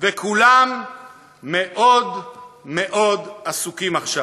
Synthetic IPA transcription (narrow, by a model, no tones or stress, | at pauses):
vekulamː | eʔo̞d̪me̞ʔo̞d̪asukimaχʃa